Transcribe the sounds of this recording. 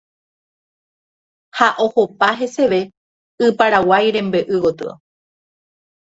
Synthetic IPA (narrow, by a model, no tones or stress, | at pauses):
haʔo̞hopaɦe̞se̞ʋe̞ | ɨpaɾawajɾẽ̞mbeʔɨʋot̪ɨ̰o̰